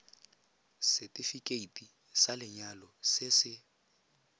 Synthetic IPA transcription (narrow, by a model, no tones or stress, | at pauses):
sɛtʼifikʼeitʼi | salɪɲalɔsɪsɪ